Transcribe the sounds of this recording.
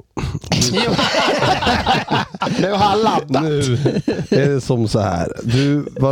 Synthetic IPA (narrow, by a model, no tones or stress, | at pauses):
nʉhalad̪anʉː | ɛɖɛsɔmsɔhæ̰ːɾd̪ʉva